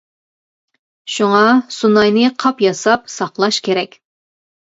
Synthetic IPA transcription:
ʃuŋɑsunɑjnɨqʰɑpjɑsɑp̚sɑqlˠɑʃkʲʰeɾɛkʲ

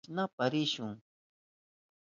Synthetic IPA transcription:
napaɾɪʃʊŋ

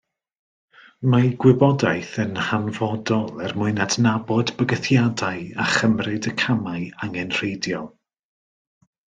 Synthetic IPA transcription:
maɡwɪbɔdajθənhanvɔdɔlˠɛrmʊɨnadnabɔdbəɡəθjadaɨaχəmrɨdəkʰamaɨaŋɛnr̥ejdjɔlˠ

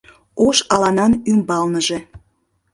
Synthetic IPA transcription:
oʃɑlɑnɑnymbɑlnəʒe

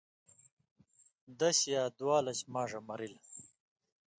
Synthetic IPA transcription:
d̪ɐɕjaːd̪waːlɐt͡ɕmaːʐɐmɐɾil

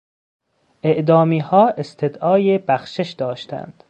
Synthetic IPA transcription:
ʔe̞ʔd̪ɒːmiːhɒːʔest̪ʰe̞d̪ʔɒːjebæxʃeʃd̪ɒːʃt̪ʰæ̰nd̪̥

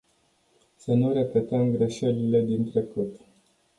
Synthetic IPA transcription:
sənuɾe̞pe̞t̪əmɡɾe̞ʃe̞lile̞d̪int̪ɾe̞kut̪

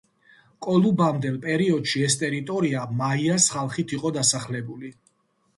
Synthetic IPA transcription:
kʼɔlˠubamd̪ɛlˠpʼɛɾiɔd̪̥ʃiɛst̪ʼɛɾit̪ʼɔɾiamaiasχalˠχit̪ʰiqʼɔd̪asaχlɛbuli

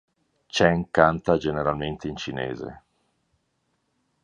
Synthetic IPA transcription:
t͡ʃɛŋkant̪ad͡ʒeneɾalment̪eint͡ʃinḛːzḛ

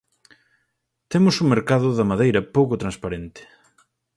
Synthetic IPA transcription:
t̪emʊsuŋmeɾkaðʊðɐmaðejɾɐpowkʊt̪ɾanspaɾent̪ɪ̥

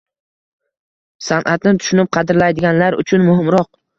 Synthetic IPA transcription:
sanʔat̪nɪt̪ʰʊ̥ʃʊnɪp̚qʰɑd̪ɪɾlajd̪ɪɡʲanlaɾʊ̰t͡ʃʰʊnmʊɦɪmɾɒq̚

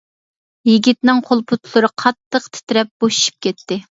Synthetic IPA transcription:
jiɡʲit̪nɪŋqʰolˠpʰʊt̪ʰlˠʊɾɨqʰɑt̪ːəqt̪ʰɪ̥t̪ɾɛp̚b̥oʃi̥ʃi̥p̚kʲʰɛt̪ːɪ

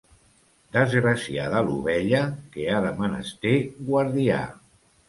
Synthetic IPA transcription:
d̪əzɣɾəsia̰ðəlṵβ̞ɛʎəkeaðəmənə̰st̪eɡwaɾðia̰

